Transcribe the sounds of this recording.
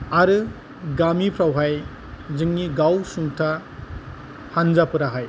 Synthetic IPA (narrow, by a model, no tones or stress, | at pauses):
aɾɯ | ɡamipʰɾawɦaj | zɯŋniɡawsuŋtʰa | hanzapɯɾaɦaj